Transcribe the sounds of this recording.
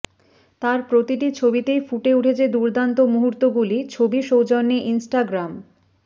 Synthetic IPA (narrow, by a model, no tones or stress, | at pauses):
t̪aɾpɾot̪iʈit͡ɕʰobit̪ejfuʈeuʈʰet͡ɕʰed̪uɾd̪ant̪omuɦuɾt̪oɡulit͡ɕʰobiʃowd͡ʑonːeʔinsʈaɡɾam